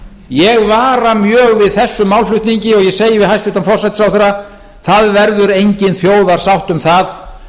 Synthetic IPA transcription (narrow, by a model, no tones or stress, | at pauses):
jɛɣvaːɾamjœːɣvɪðθɛsːʏmːawlflʏht̪niɲcɪɔɣjɛseːjɪvɪɦajst̪ʏht̪anfɔrsajt̪sawθɛɾːa | θaðvɛɾðʏɾejɲcɪnθjoːwðaɾ̥sawht̪ʏmθað